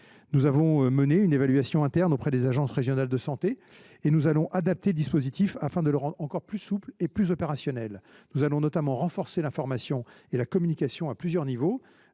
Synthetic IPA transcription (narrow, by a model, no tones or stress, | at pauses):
nuzavɔ̃məneynevalɥasjɔ̃ɛ̃t̪ɛʁnopχɛd̪ezaʒɑ̃sʁeʒjɔnald̪əsɑ̃t̪e | enuzalɔ̃ʔad̪ap̚t̪eləd̪ispozit̪ifafɛ̃d̪ələʁɑ̃d̪ʁɑ̃kɔʁʁplysupleplyzɔpeʁasjɔnɛl | nuzalɔ̃nɔt̪amɑ̃ʁɑ̃fɔʁselɛ̃fɔʁmasjɔ̃elakɔmynikʲasjɔ̃aplyzjœʁnivo